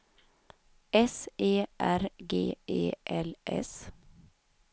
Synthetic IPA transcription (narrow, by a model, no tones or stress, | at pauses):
ɛseːʔæɾɡḛːʔḛːʔɛlʔɛ̰s